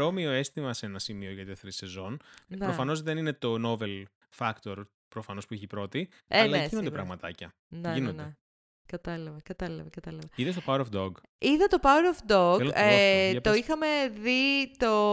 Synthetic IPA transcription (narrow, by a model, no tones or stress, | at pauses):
omioe̞st̪imɐsenɐsimio̞ʝɐt̪ioθɾisezo̞nnpeɾofɐno̞zðe̞nine̞t̪o̞no̞ve̞l | fɐkt̪o̞ɾ | pɾofɐno̞spuiçipɾo̞t̪ieɐlɐinod̪pɾɐɣmɐt̪ɐ̰cɐ | neinonne | kɐt̪ɐlɐvɐkɐt̪ɐlɐ̰vɐkɐt̪ɐlɐvɐiðest̪opawɾofd̪oɡ | iðɐt̪o̞paweɾofd̪oɡet̪o̞ixɐme̞ðit̪o̞